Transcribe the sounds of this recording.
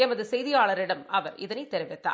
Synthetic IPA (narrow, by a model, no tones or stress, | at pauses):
ɛmɐðɯsɛjðɪjaːɭɐɾɪɽɐmɐʋɐɾɪðɐnɐɪt̪ːɛɾɪʋɛt̪ːa̰ː